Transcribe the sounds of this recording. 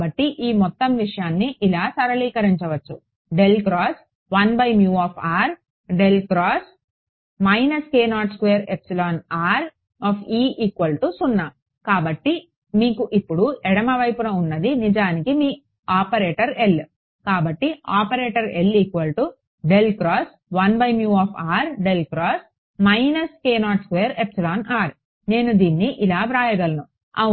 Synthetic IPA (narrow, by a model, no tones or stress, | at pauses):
bɐʈːiʔiːmɔt̪ːɐmʋiʂɐjaːnːiʔilaːsɐɾɐliːkɐɾiɲt͡ʃɐʋɐt͡ʃːu | ɖelkɾaːs | ʋɐnbɐjmjuːaːpʰaːɾ | ɖelɡɾaːs | mɐjnɐskeːnaːʈskʋeːɾepsilaːnaːɾ | aːpʰiːʔikʋɐlʈusunːa | kaːbɐʈːi | miːkuʔipːuɽuɛɽɐmɐʋɐjpunɐunːɐd̪inid͡ʒaːnikimiː | aːpɐɾeːʈɐɾel | kaːbɐʈːiaːpɐɾeːʈɐɾelikʋɐlʈu | ɖelkɾaːs | ʋɐnbɐjmjuːaːpʰaːɾɖelkɾaːs | mɐjnɐskeːnaːʈskʋejːɐɾepsilaːnaːɾ | ne̞ːnud̪iːnːiʔilaːpɾaːjɐɡɐlɐnu | ɐ̰